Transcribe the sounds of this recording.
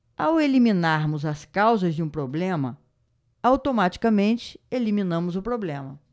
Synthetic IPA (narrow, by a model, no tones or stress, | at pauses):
a̰welimĩnaɾmʊzɐskawzɐzd͡ʒɪũpɾoblẽmɐ̰ | awt̪omat͡ʃi̥kɐmẽnt͡ʃɪ̥elimĩnɐ̃mʊzʊpɾoblẽmɐ